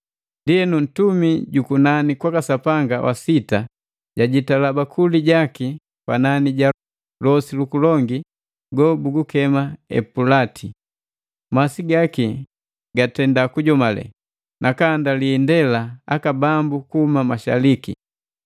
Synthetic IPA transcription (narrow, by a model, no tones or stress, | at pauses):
ndiɛnun̩tumiɟukunanikwakasapaŋɡawʔa̰sita | ɟaɟitalabakʰuliɟaki | kwa̰naniɟa | lɔsilukulɔŋɡi | ɡɔbuɡukɛmaɛ̰pulatʰi | masiɡaki | ɡatɛndakuɟɔmalɛ̰ | nʔakandaliːndɛlaakabambukuhumamaʃa̰liki